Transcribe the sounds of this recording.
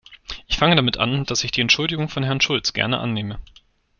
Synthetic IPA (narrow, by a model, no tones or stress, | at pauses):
ʔɪçfaŋədamɪtʔa̰nd̥asɪçd̥iːɛntʃʊldɪɡʊŋfɔnɦɛɐnʃʊlt͡sɡ̥ɛ̰ɐnə̰ʔa̰nːeːmə